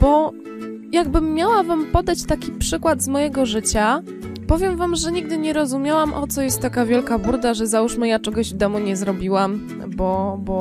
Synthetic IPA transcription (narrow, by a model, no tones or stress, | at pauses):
b̥ɔ | jaɡbɘmːjawavampɔd̪at͡ɕt̪akʲipʂɘkwad̪zmɔjɛɡɔʐɘt͡ɕa | pɔvʲjɛmvamʐɛɲiɡ̚d̪ɘɲɛɾɔzumʲjawamʔɔt̪sɔjɛst̪ːakavʲjɛlkabuɾd̪aʐɛzauʂmɘjat͡ʂɛɡɔʑvd̪ɔmuɲɛzɾɔbʲiwam | bɔbɔ